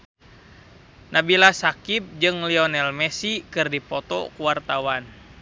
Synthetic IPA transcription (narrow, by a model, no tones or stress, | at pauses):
nabilasakip̚d͡ʒɨŋliɔnɛlmɛsikɨrdipɔt̪ɔ̰kuwart̪awan